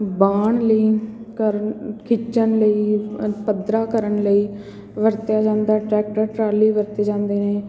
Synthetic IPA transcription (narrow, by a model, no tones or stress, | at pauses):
baːɳləiːkəɾkʰɪt͡ʃənləiːpəd̪ɾaːkəɾəɳləiː | ʋəɾt̪jaːd͡ʒãːnd̪aːʈɾɛːk̚ʈəɾʈɾaːliːʋəɾt̪eːd͡ʒãːnd̪eːneː